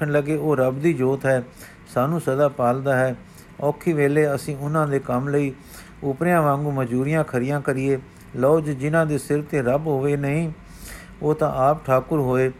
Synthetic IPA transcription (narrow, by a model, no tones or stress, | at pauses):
əɳləɡeːoːɾəbd̪iːd͡ʒoːt̪ɦɛː | saːnũːsəd̪aːpaːld̪aːɦɛː | ɔːkʰiːʋeːleːəsĩːʊnãːd̪eːkəmləiː | ʊpɾejãːʋãːŋɡuːməd͡ʒuːɾɪjãːkʰəɾɪjãːkəɾɪːeː | lɔːd͡ʒd͡ʒɪnãːd̪eːsɪɾt̪eːɾəbɦoːʋeːnəɦĩː | oːt̪ãːʔaːpʈʰaːkʊɾɦoːeː